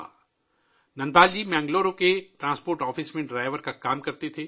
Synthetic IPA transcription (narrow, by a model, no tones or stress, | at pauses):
nɐ̃nb̪aːld͡ʒiːmɛ̃ːŋɡloːɾokeʈɾãːspoːɾʈɔːfɪsmẽɖɾaːɪʋəɾkakaːmkɐɾt̪et̪ʰeː